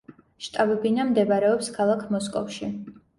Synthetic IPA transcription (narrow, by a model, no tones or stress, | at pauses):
ʃt̪ʼabɛbinamd̪ɛbɾɛɔpskʰalˠakʰmɔskʼɔ̰fʃi